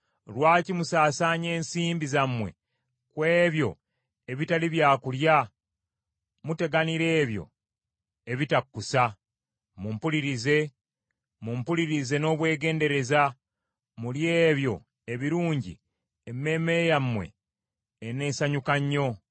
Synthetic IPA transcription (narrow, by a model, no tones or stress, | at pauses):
lwaːcimusaːsaːɲe̞ːnsiːmbizamːwe̞̰ | kwe̞ːβjo̞̰ | e̞βitaliβjaːkulja | mute̞ɡaniɾe̞ːβjo̞̰ | e̞βitakːusa | mumpuliɾize̞ | mumpuliɾize̞no̞ːβwe̞ːɡe̞ːnde̞ɾe̞za | mulje̞ːβjo̞̰ | e̞βiɾuːɲɟḭ | emːe̞ːme̞ɾejamːwe̞̰ː | ne̞ːsaɲukaɲːo̞